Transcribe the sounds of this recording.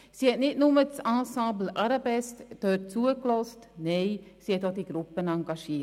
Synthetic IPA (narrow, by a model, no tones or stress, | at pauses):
siɛtnitnumətsɑ̃ːsɑ̃ːbl̩ʔɐɾɑbɛsttørtsuəklɔstnejsiɛtɔt̚diɡɾupənɑŋɡɑʃiə